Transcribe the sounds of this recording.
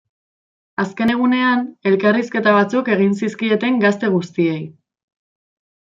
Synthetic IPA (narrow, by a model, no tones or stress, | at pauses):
aske̞ne̞ɣ̞une̞ane̞lkariske̞t̪aβ̞at͡suke̞ɣ̞ins̬iskie̞t̪e̞ŋɡast̪e̞ɣ̞ust̪ie̞j